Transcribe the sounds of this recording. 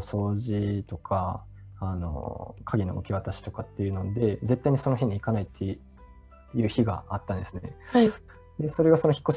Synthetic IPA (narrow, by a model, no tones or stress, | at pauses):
so̞ːʑit̪o̞kʰaː | no̰kʰaɡʲino̞̰ɯ̰kʲiβat̪aɕi̥t̪o̞kat̪ːe̞jɯ̟nond̪e̞d͡ze̞t̪ːaiɲ̟iso̞no̞çʲiɲ̟iːkanait̪ʰːe̞ | jɯ̟ːçiɡa̰at̪ːãnd̪esɨne̞̰a | d̪e̞so̞ɾe̞ɡaso̞no̞çʲi̥kːoɕ